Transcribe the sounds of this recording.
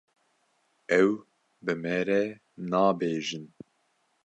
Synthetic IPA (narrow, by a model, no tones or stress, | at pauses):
ɛw | bɨmɛɾɛ | nɑːbeːʒɨn